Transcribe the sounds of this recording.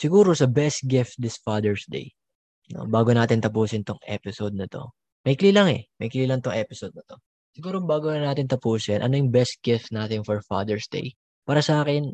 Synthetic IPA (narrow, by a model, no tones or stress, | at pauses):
sɪɡuːɾo̞sɐbɛst̪̚ɡɪft̪̚d̪ɪsfaːd̪ɛɹsd̪ḛj | no̰baːɡonaːt̪ɪnt̪ɐpuːsɪnt̪oŋʔɛ̰ːpɪsod̪̚nɐt̪o̞̰ | mɐjkliːlɐŋɛ̰mɐjkɪliːlɐŋt̪oŋʔɛpɪsod̪̚nɐt̪o̞ | sɪɡuːɾobaːɡonɐnaːt̪ɪnt̪ɐpuːsɪnʔɐ̰nojʊŋbɛst̪̚ɡ̥ɪft̪̚naːt̪ɪŋfɔɹfa̰ːd̪ɛɹsd̪ḛj | paːɾɐsɐʔaːkɪn